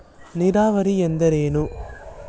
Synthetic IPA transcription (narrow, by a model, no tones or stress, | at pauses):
nɪɾaːʋɐɾiɛnd̪ɐɾeːnu